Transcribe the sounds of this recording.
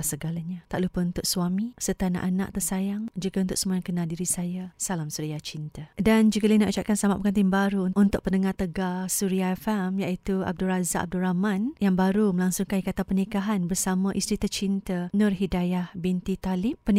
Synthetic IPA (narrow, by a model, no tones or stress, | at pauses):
səɡalaɲat̪aʔlupəunt̪ʊʔ̚suamisət̪ana̰ʔana̰ʔt̪əsajaŋd͡ʒuɡaunt̪ʊʔ̚səmuaaŋkənadiɾisajasalamsuɾiat͡ʃint̪adand͡ʒukəlainaʔut͡ʃaʔ̚kansamaʔpəkant̪̬inbaɾuʔunt̪ʊʔ̚pənəŋaht̪əɡasuɾiaɛfɛmjaʔit̪ua̰b̚dulrazaʔab̚dulɾamanjaŋbaɾuməlaŋsʊŋkankat̪apənikaɦanbərsamãʔist̪ɾit̪ərt͡ʃint̪ənʊrɦidajahbint̪it̪alɪppən